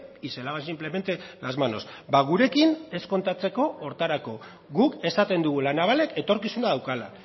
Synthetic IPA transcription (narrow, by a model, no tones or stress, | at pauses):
iselaβas̬imple̞me̞nt̪e̞lazmano̞sbaɣ̞uɾe̞kine̞sko̞nt̪at͡se̞ko̞ːɾt̪aɾako̞ | ɣuke̞sat̪e̞nd̪uɣ̞ulanaβale̞kʰe̞t̪o̞ɾkisunaðawkala̰